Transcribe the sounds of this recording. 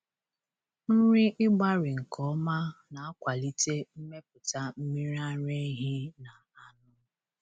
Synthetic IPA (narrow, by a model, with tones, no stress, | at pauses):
n̩˦ɾi˦ʔɪ˦ɡ͡ba˦ɾɪ˨ŋ̩˨kʰɔ˦ma˦na˨a˦kʷa˨li˦te˦m̩˦me˦pʊ˨ta˦m̩˦mi˦ɾa˦ɾe˦ɦi˦na˨a˨nʊ˦